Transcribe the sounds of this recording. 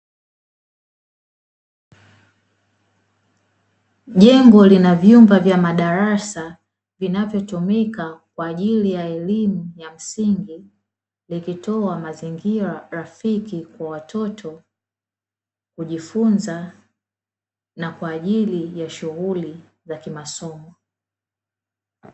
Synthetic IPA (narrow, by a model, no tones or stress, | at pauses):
ʄɛŋɡɔlinavjumbavjamaɗaɾasa | vinavjɔtumikakwaːʄilijaɛlimujam̩siŋɡi | likitɔamaziŋɡiɾaɾafikikwawatʰɔtʰɔ | kuʄifunza | nakwaːʄilijaʃuɣuli | zakimasɔmɔ